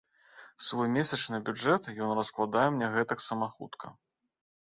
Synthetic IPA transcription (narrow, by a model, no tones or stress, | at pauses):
svɔjmʲesʲɐt͡ʂnɨbʲud͡ʐɛt̪jɔnrɐsklˠad̪ajɛmnʲɛɣɛt̪ɐksɐmaxṵt̪kʰɐ̰